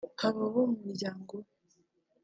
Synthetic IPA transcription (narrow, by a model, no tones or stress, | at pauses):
aβaβomumiɾɟaːŋɡo